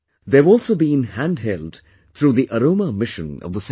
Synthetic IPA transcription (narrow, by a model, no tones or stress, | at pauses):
ðevɔlˠsoʊbĩnhæ̃nd̚ɦɛlˠd | θʰɹuːðiʔəɾõʊməmɪʃɨ̃nʌ̰vðəs